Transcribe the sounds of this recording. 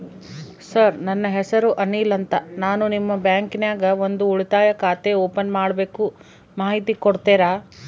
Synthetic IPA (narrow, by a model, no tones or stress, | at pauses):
sɐɾnɐnːɐɦɛsɐɾuʔɐniːlɐnt̪ɐnaːnunimːɐbjaːŋkinjaːɡɐond̪uuɭit̪aːjɐkaːt̪eoːpɐnmaːɽbeːku | maːɦit̪ikoɽt̪eːɾaː